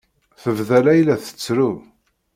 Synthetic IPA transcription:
θəvðælæjlæθə̥t͡sːɾu

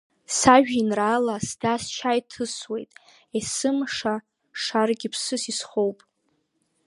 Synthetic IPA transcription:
saʒᶣinraːlasdast͡ʃʰajtʰɨswe̞jtʼ | esɨmʂa | ʂarɡʲipʰsɨsisχo̞wpʼ

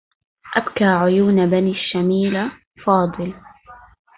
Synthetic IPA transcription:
ʔabkaːʕʊjuːnbaniːʃːamiːla | fɑːd̪ˤɨl

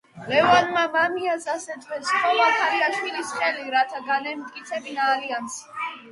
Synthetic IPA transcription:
lɛvanmamamiasasɛt̪ʰvɛsχʼɔvakʰaɾiaʃwilisχɛliɾat̪ʰaɡanɛmt̪ʼkʼit̪sʰɛbinaːlians

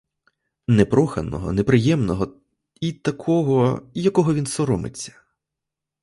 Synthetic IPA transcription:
nɛpɾɔxɐ̰nɔ̰ɦɔ̰nepɾɪjɛmnɔɦɔ | it̪ɐkʰɔɦɔjɐkɔɦɔʋʲinsɔɾɔmɪ̰t͡sʲːɐ̥

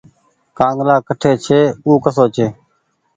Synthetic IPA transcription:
kãːŋɡlaːkəʈʰeːt͡ʃʰeːuːkəsoːt͡ʃʰeː

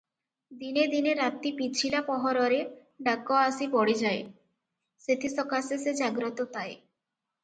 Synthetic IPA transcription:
d̪ined̪ineɾat̪ːipit͡ɕʰilapɔɦɔɾɔɾe | ɖaɡːoasibɔɽed͡ʑae | set̪ʰisɔkasesed͡ʑaɡɾot̪ot̪ae

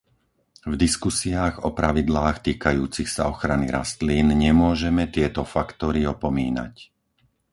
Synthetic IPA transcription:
vd̪iskusiaːɣɔpɾaʋid̪laːxt̪iːkajuːt͡sixsa̰ɔxɾaniɾa̰st̪liːnɲɛmʊɔʒɛmɛt̪ɪɛt̪ɔfakt̪ɔɾiɔpɔmiːna̰c

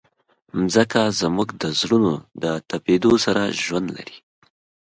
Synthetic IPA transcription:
mzəkazmuɡd̪əzɽunod̪ət̪aped̪osaɾaʒwand̪la̰ɾi

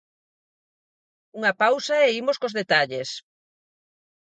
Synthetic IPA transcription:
uŋɐpawsɐeimoskozðet̪aʎes

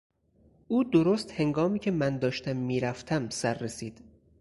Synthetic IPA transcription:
ʔuːd̪oɾost̪he̞ŋɡɒːmiːcʲʰe̞mænd̪ɒːʃt̪ʰæmːiːɾæft̪ʰæmsæɾːesiːd̪̥

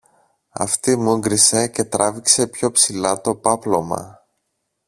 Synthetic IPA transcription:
ɐ̰ft̪imuŋɡɾise̞ce̞t̪ɾɐvikse̞pço̞psilɐt̪o̞pɐplo̞mɐ̰

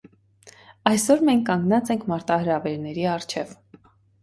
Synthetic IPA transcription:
ɑjsɔɾmɛŋkʰːɑŋɡnɑt͡sɛŋkʰmɑɾt̪ɑhəɾɑvɛɾnɛɾiɑrt͡ʃʰɛv

